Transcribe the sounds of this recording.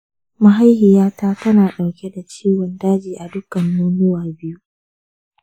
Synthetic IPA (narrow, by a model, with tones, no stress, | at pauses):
ma˨ɦa˦jhɪ˨jaː˦taː˦tɐ˦naː˨ɗa˨wkʲe˦da˨t͡ʃiː˦wɔ˨ndaː˦d͡ʒiː˨ʔa˨dʊ˦kɐ˨nːuː˦nʊ˦waː˨bɪ˦ju˦